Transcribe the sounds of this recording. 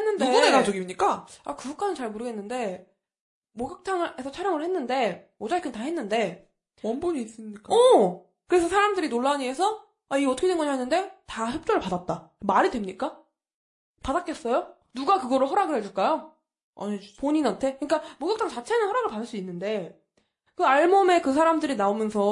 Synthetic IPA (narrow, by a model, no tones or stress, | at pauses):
enːɯndueonekad͡ʑoɡimɲik͈aakɯɡuk͈anɯnt͡ɕaɭmuɾɯɡenːɯnde̞ | moɡak̚tʰaŋe̞sʰʌt͡ɕʰaɾjʌŋɯɭhe̞nːɯnde̞ | od͡ʑaɕikʰɯntaɦe̞nːɯnde̞ | wʌnboɲiːs͈ɯmɲik͈aʌ | kɯɾe̞sʰʌsʰaɾamdɯɾinoɭːaɲiesʰʌ | aiʌt͈ʰʌkʰewenɡʌɲaɦenːɯnde̞taçjʌp̚t͡ɕ͈oɾɯɭpadat̚t͈a | maɾidwemɲik͈a | padak͈e̞s͈ʌjo | nuɡakɯɡʌɾɯɭɦʌɾaɡɯɭhed͡ʑuɭk͈ajo | a̰ɲipoɲinantʰe̞kɯɲik͈amoɡjaktʰaŋt͡ɕat͡ɕʰe̞nɯnhʌɾaɡɯɭpadɯɭs͈uinːɯnde̞ | kɯaɭmʌme̞kɯs̬ʰaɾamdɯɾinaomjʌnsʰʌ